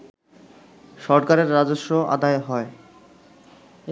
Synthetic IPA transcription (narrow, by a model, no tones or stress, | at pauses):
ʃɔɾkaɾeɾːad͡ʑoʃːoʔa̰d̪aeɦɔe